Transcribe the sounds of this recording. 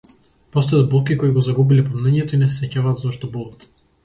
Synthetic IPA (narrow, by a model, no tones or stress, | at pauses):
pɔst̪ɛd̪̚bulˠkikɔiɡɔzaɡubilɛpɔmnɛɲɛt̪ɔinɛsɛsɛcavaːd̪zɔʃt̪ɔbulˠat̪